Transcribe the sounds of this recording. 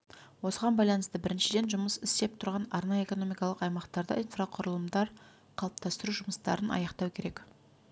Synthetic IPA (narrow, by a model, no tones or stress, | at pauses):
wosəʁɑnbɑjlˠɑnəst̪əbɪɾɪnʃɪd̪e̞nʒʊməsɪst̪e̞p̚t̪ʰʊɾʁɑnɑɾnɑjəe̞ko̞no̞mijkɑlˠəqɑjmɑqt̪ɑɾd̪ə̰ʔijnfraqʰʊɾəlˠəmd̪ɑɾ | qʰɑlˠəp̚t̪ɑst̪əɾuʒʊməst̪ɑ̰ɾənɑ̰jɑqt̪ɑwkʲʰe̞ɾe̞k